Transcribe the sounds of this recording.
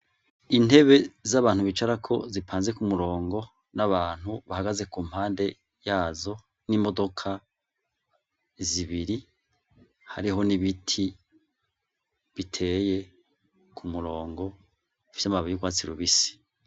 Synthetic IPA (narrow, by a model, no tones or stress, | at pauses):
in̥e̞βe̞zaβaːn̥huβit͡ʃaɾakʰo̞zipʰaːnze̞kumuɾo̞ːŋɡo̞ | naβaːn̥huβahaɡaze̞kuːm̥haːnde̞ | jaːzo̞ | niːmo̞do̞kʰa | ziβiɾi | ha̰ɾiɦo̞niβitʰi | βitʰe̞ːje̞ | kʰumuɾo̞ːŋɡo̞ | ifi̥samaβijuɡwaːt͡siɾuβisi̥